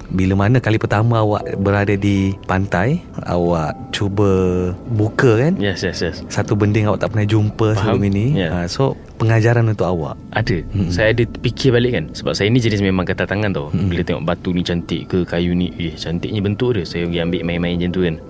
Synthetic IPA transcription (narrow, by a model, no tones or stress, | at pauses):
biləmanakalipərt̪amaawa̰ʔbəɾadadipant̪aj | a̰waʔ | t͡ʃubəbukəkanjɛsjɛsjɛssat̪ubəndɪŋawa̰ʔt̪aʔpənajd͡ʒumpəsəuminĩjɛaso | pəŋad͡ʒaɾanunt̪ʊʔawa̰ʔ | adəsajaːdəpikʰɪrbalɪʔkansəbap̚sajainid͡ʒənɪs̬memãŋkət̪at̪aŋant̪owbəlat̪ɛŋɔ̰ʔbat̪unit͡ʃant̪ɪ̰ʔkəkajuniht͡ʃant̪ɪʔɲəbənt̪ʊʔdəhsajaɡiambɪʔmaɛmaɛnd͡ʒənt̪ukan